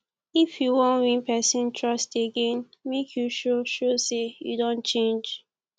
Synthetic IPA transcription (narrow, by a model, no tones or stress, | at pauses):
ifjuwɔ̃nwĩnpɛsĩntʰɹʌsteɡẽn | mekʰjuʃoʃosejṵdõnt͡ʃẽnd͡ʒ